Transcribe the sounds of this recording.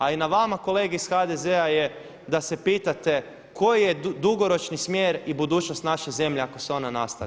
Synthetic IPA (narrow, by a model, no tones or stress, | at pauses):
ainaʋamako̞le̞ːɡeisxad̪ezeaje̞ | d̪ase̞piːt̪at̪e̞ | ko̞jijed̪uɡo̞ɾo̞t͡ʃnismjeːɾibud̪uːt͡ʃno̞st̪naʃe̞ze̞mʎeako̞seo̞nanast̪a̰